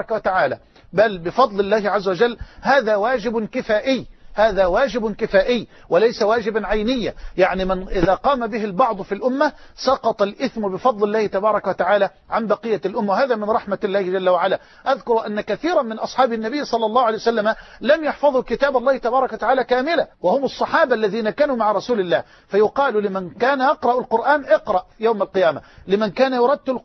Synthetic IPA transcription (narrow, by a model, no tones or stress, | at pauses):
kwat̪aʕaːlaː | balbɪfɑd̪ˤlɪlːaːɦɪʕazːawad͡ʒalːhaːðaːwaːd͡ʒɪbɪnkɪfaːʔɪjːhaːðaːwaːd͡ʒɪbnkɪfaːʔɪjː | wɪlajsawaːd͡ʒɪbaʕajnɪjːajaʕnimɪnʔɪðaːqɑːmabɪɦɪlbɑʕd̪ˤfilʔʊmːasɑqɑt̪ˤɑlʔɪθmʊbɪfɑd̪ˤlɪlːaːhɪt̪abɑːɾˤɑkawat̪aʕaːlaː | ʕambɑqɨjːalʔʊmːawhaːðaːmɪnɾˤɑħmalːaːhɪd͡ʒalːawaʕalaː | ʔaðkʊɾʔanːakaθiːɾˤɑmɪnʔɑsˤħɑːbɪnːabɪjːsˤɑlːɑlːɑːhwʕalejwasalːamalamjɑħfɑðˤʊkɪt̪aːbɑlːɑːhɪt̪abɑːɾˤɑkwat̪aʕaːlæːkaːmɪlawahʊmɑsˤːɑħɑːbaʔlːæðiːnakaːnuːmaʕɾˤɑsuːlɪlːaː | fajʊqɑːllɪmankaːnjɑqɾˤɑʔalqʊɾʔaːnʔɪqɾˤɑʔjawmalqɨjaːma̰lɪmankaːnajʊɾˤɑd̪ːʊl